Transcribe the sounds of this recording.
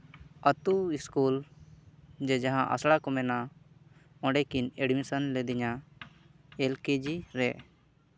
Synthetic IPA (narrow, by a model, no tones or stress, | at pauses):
ət̪uiskul | d͡ʒɛd͡ʒaɦãʔa̰sɽakɔmɛna | ɔ̃ɖɛkineɖmisənlɛd̪iɲa | ɛlked͡ʒiɾɛ